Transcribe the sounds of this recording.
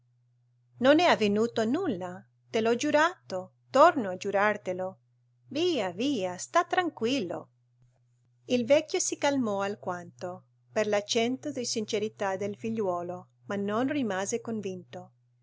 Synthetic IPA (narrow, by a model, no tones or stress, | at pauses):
nonɛavenuːt̪onulːa | t̪elɔd͡ʒuɾat̪o | t̪ornoad͡ʒuɾart̪elo | viːaviːast̪at̪ːɾaŋkwilːo̰ | ilvɛkʲːjosikalmɔalkwant̪o | perlat͡ʃːɛnt̪od̪isint͡ʃeɾit̪ad̪elfiʎːwɔːlo | manːonrimaːzekoɱvint̪o